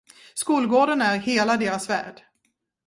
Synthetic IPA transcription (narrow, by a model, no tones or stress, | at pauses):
skuːlɡoːɖənæɾheːlad̪eːɾasvæ̰ːɖ̥